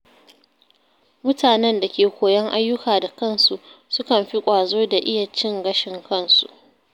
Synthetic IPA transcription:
mʊ˦tʰaː˨nɛ˦nda˨kʲeː˨kʷoː˨jɐ˦ŋʔa˦jːʊ˦kaː˨da˨kɐ˦˨nsu˨ʔsʊ˦kɐ˨mɸi˦kʷʼaː˨zoː˦da˨ʔɪ˦ja˨t͡ʃɪ˦ŋɡɐ˦ʃɪ˨ŋkɐ˦˨nsṵ˨ʔ

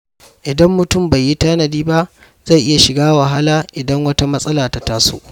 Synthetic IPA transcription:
ʔɪ˨dɐ˦mːʊ˨tʊ˦˨mba˨jːi˦taː˦nɐ˨diː˦ba˦ʔ | z̥a˦˨jʔɪ˦ja˨ʃɪ˨ɡaː˦wɐ˨ɦa˦laː˦ʔɪ˨dɐ˦ŋwɐ˦ta˦mɐ˦sʼɐ˦laː˨ta˦taː˦so̰ː˦ʔ

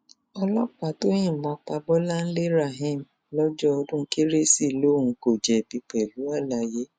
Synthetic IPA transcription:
ɔ˧lɔ˦k͡pa˨to˦jĩ˦˨mɔ̃˨˧k͡pa˧bɔ˦la˦n̩˦le˦ɾa˦˨ɦĩ˦˨m | lɔ˦d͡ʒɔ˦ɔ˧dũ˦ke˦ɾe˦si˦˨lo˦˨ũ˨˧ko˨d͡ʒɛ˨bi˧k͡pɛ˨lu˨˦a˦˨la˧je˦

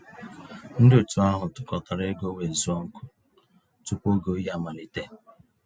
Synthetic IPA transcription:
n̩˦dɪ˦ʊ˨tu˨a˦ɦʊ˨tʊ̥˨kɔ˨ta˨ɾe˦ɡo˦we˨n̩˨zu˦ɔ˦ŋ̩˦kʊ̥˦ | tʊ˦˨po˦ɡo˦ji˦a˦˨ma˨ni˦te˦

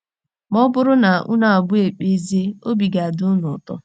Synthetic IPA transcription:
mɔ˦bʊ˦ɾʊ˦na˨ʔṵ˦na˨a˨bʊ˦e˨k͡pe˦ze˦o˦bi˨ɡa˨a˨dʊ˦nʊ˨tɔ̰˦

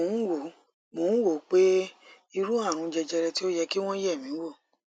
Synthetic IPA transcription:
o˨˦n̩˦wo˨ | mo˨˦wo˨k͡pe˦ | i˧ɾu˦a˦˨ɾ̃ũ˧d͡ʒɛ˧d͡ʒɛ˧ɾɛ˧ti˦o˦jɛ˧ki˦w̃ɔ̃˦jɛ˦˨mĩ˨˦wo˦˨

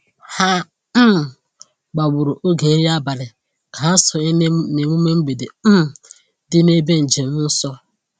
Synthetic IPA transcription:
ha˦ | m˨ | ɡ͡ba˨ɡ͡bʊ˨ɾʊ˨ʔo˦ɡe˨e˦ɾi˦a˦ba˨ɾɪ˨ | ka˨ɦa˦sɔ˨e˦ne˨ŋʷu˦me˦ŋ͡m̩˦ɡ͡be˨de˨m̩˦m̩˨ | dɪ˦ne˦be˦n̩˨d͡ʒe˨m̩˦n̩˦sɔ˦

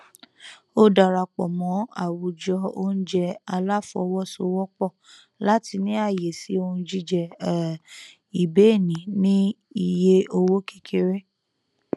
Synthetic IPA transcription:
o˦da˨ɾa˧k͡pɔ˨mɔ̃˨˦a̰˨wu˨d͡ʒɔ˧o̰˦n̩˦d͡ʒɛ˧a˧la˦fɔ̰˧wɔ˦so˧˦wɔ˦k͡pɔ˦˨ | la˨˦ti˧nĩ˦a˦˨je˨si˨˦o˧ũ˧d͡ʒi˦d͡ʒɛ˨ | i˨be˨˦˨nĩ˨˦nĩ˦ | i˧˨je˦o˧wo˦ke˦kʰe˧ɾe˦

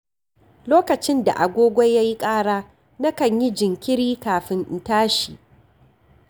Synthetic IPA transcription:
loː˦kɐ˨t͡ʃɪ˦nda̰˨ʔa˨ɡʷoː˦ɡʷɔ˦jːa˦ji˦kʼaː˦ɽaː˦ | na˦kɐ˨ɲji˦d͡ʒɪ˨ŋkʲɪ˦ɽiː˦kaː˨ɸɪ˦n˨taː˦ʃi˨ʔ

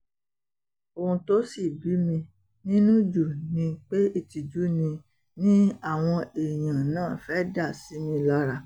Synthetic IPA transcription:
o˧hũ˧to˦si˦˨bi˨˦mĩ˧ | nĩ˦nũ˦d͡ʒu˨nĩ˧k͡pe˦i˦˨ti˨d͡ʒu˨˦nĩ˧ | nĩ˦a˦˨w̃ɔ̃˧e˨j̃ã˨nãː˦˨fɛ˦da˦˨si˨˦mĩ˧la˦ɾa˧˨

